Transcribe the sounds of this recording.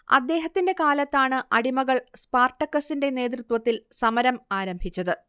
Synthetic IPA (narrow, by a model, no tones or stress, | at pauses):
ɐ̰d̪ːe̞ːɦɐt̪ːinde̞kaːlɐt̪ːaːɳɨʔɐɽimɐɣɐɭspaːrʈːɐkːɐsinde̞ne̞ːt̪̬rɨt̪wɐt̪ːilsɐmɐɾɐmaːɾɐmbʱit͡ɕːɐðɨ